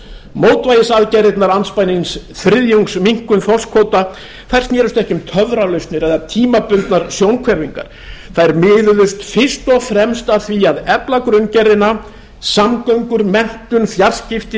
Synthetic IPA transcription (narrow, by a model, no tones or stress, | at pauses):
moːwt̪vaːjðɪsaðcɛrɪt̪naɾanspajnɪnsθɾɪðjowŋksmiŋ̥kʏnθɔl̥skʰvoːwt̪a | θaj̥r̥snjɛːɾʏst̪ɛhcʏmt̪ʰœðɾalœɥst̪nɪɾɛðat̪ʰiːmapʏnt̪naɾ̥sjownkʰvɛɾviŋka̰ɾ̥ | θaðɛɾmɪːðʏðʏst̪fɪ̥st̪ɔɣfɾɛmst̪aθviaðɛplakɾʏncɛɾðɪna | samkœɥŋkʏɾmɛn̥t̪ʏnfjar̥scɪft̪ɪ